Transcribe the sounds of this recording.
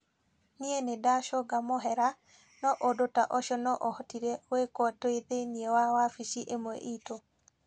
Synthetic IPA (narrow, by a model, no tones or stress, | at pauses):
nienedaʃɔɡamɔɦɛɾa | nɔʔodotaʔɔʃɔnɔʔɔhɔtiɾeoekwɔtoed̪eniewawafiʃiʔemoḛʔito